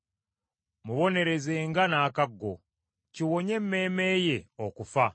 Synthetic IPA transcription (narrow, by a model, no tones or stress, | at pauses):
muβo̞ne̞ɾe̞ze̞ːŋɡanaːkaɡːo̞̰ | ciwo̞ɲe̞mːe̞ːme̞ːje̞okufa